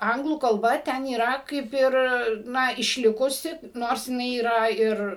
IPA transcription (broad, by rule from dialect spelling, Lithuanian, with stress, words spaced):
ˈɐŋɡlˠuː kɐlˠˈbɐ ˈtʲɛn iːˈrɐ ˈkɐɪp ɪr ˈnɐ ɪʃʲˈlʲɪkʊsʲɪ ˈnoːrs jɪˈnɐɪ iːˈrɐ ˈɪr